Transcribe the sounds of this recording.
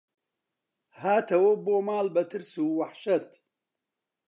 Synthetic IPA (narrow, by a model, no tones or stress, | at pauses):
haːt̪ʰɐwoboːmaːlbɐt̪ʰɨɾsuːwɐħʃɐt̪